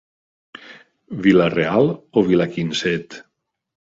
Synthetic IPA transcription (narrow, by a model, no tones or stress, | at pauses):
βilarealˠoβilakinsɛt̪